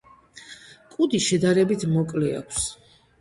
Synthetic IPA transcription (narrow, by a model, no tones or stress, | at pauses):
kʼud̪iʃɛd̪aɾɛbit̪ʰmɔkʼlɛa̰kʰs